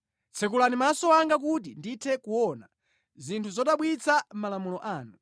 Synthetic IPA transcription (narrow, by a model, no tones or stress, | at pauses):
t͡sʰɛkulanimasɔwaŋɡak̬ut̬inditʰɛkuwɔna | zintʰuzɔtaɓwit͡sʰam̩malamulɔʔaːnu